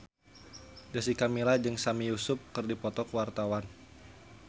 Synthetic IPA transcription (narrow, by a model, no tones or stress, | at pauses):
dasikamilad͡ʒɨŋsamijusʊp̚kɨrdipɔt̪ɔkwart̪awan